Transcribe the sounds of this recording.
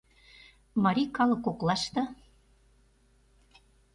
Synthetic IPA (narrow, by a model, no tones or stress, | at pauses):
mɑɾʲikɑlɤ̆koklɑʃt̪ɤ̆